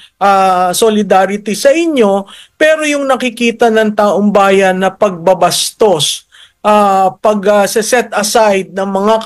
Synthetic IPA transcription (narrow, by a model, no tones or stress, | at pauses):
ʔasolɪd̪aːɾɪt̪isɐʔɪɲjo̞pɛːɾo̞jʊŋnɐkɪkiːt̪ɐnɐŋt̪aːʔoŋbaːjɐnːɐpɐɡ̚bɐbɐst̪o̞s | ʔapɐɡɐsɛsɛt̪ʔɐsajd̪̚nɐŋmɐŋa